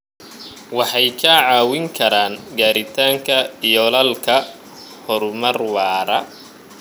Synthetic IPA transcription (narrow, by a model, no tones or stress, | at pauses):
wɑħɑjkʰɐʕɑːwɪŋkʰɐɾaːŋɡaːɾɪt̪ʰaːŋkʰɐijɔlɐlkʰɐ | hɔɾʊmɐrwɑːɾɐ